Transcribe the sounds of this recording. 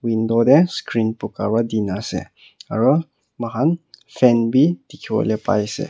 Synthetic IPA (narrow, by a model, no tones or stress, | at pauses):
windɔdɛskɾinpuka̰badinasɛ̰ | a̰ɾɔ | maɦanfʰɛnbit̪ikʰiɔ̰lɛpa̰jsɛ̰